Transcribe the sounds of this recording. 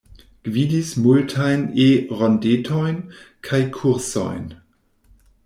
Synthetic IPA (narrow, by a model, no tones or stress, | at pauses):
ɡ̥viːdismʊltʰaɪneːʁɔndeːtʰɔʏnkʰaɪkʰuʁsɔ̰ɪn